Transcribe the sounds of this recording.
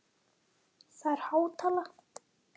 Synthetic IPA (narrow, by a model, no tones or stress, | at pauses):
θaɾ̥haːwt̪ʰaːlaxt̪